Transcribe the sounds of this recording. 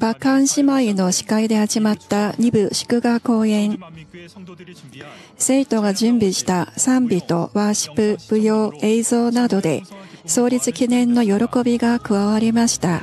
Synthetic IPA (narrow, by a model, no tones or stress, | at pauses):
b̥akãɰ̃ɕimaino̞ɕi̥kaid̪e̞haʑimat̪ːaɲ̟ibɯ̟ɕi̥kɯ̟ɡako̞ːẽ̞ɴ | se̞ːt̪o̞ɡaʑɨ̃mbʲiɕi̥t̪asãmbʲit̪o̞̰βaɕi̥pɯ̟b̥ɯ̟jo̞ːe̞zo̞ːnad̪o̞d̪e̞̰so̞ːɾʲit͡sɨkʲinẽ̞nːo̞jo̞ɾo̞ko̞bʲiɡakɯ̟βaβaɾʲimaɕi̥t̪a